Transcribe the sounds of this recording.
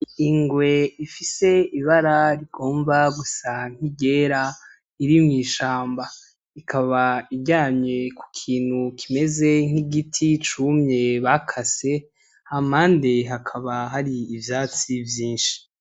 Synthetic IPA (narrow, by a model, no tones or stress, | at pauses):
iŋɡwe̞ifise̞iβaɾaɾiɡ̥o̞ːmvaɡusaŋ̥hiɟe̞ːɾa | iɾimŋiːʃaːmba | ikʰaβaiɡɟaːɲɲe̞ku̥kʰiːn̥hukʰime̞ze̞ŋ̥iɡitʰit͡ʃuːmɲe̞βakʰase̞ | hamaːndeɦakʰaβaɦaɾiːvjaːt͡sivjiːnʃi̥